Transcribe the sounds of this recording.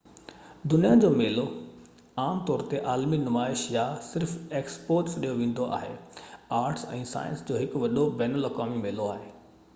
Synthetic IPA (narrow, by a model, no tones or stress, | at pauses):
d̪ʊnijad͡ʑoːmeːlo | aːmt̪ɔːɾt̪eʔaːlminʊmaːɪʃjasɪɾfeːkspoːɾʈsɗijoʋẽːn̆d̪oʔa̰ːɦḛaːɾʈsɛ̰̃ːsa̰ːjə̰̃nsd͡ʑoːɦɪkʋɐɗobɛːnəlɐkaːmimeːloaːɦeː